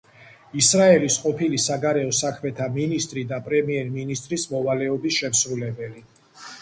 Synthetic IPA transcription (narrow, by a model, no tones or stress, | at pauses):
isɾaɛlisqʼɔpʰilisaɡaɾɛɔsakʰmɛt̪ʰaminist̪ʼɾid̪apʼɾɛmiɛɾminist̪ʼɾismɔvalɛɔbisʃɛmsɾulɛbɛli